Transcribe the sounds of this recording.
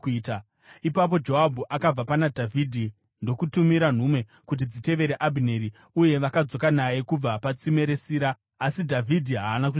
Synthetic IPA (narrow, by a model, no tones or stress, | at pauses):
ta | ipap̬o̞d͡ʒo̞ɦabʱuʔakab͡vapanadʱavʱidʱi | ndo̞kutumiɾan̤umwe̞ | kut̬id͡zite̞ʋe̞ɾeʔabʱineɾi | uje̞ʋakad͡zo̞kanaje̞kub͡vapat͡sime̞ɾe̞siːɾaː | sidʱavʱidʱiɦaːnaku